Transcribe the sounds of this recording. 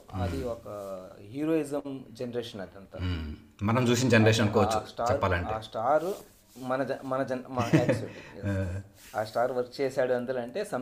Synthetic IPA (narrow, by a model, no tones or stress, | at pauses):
ɐd̪iɔkɐɦiːɾoːizɐmd͡ʒenɐɾeːʂɐnɐd̪ɐnt̪a | mɐnɐmt͡ʃuːs̬inɐd͡ʒenɐɾeːʃɐnɐnkɔːʋɐt͡ʃusʈaːt͡ʃɛɾpːaːlɐɳʈeaːsʈaːɾ | mɐnɐmɐnɐd͡ʒɐnmɐɐ | aːsʈaːɾʋɐɾkt͡ʃɛːsaːɽuɐnd̪ɐlɐɳʈe̞ːsɐm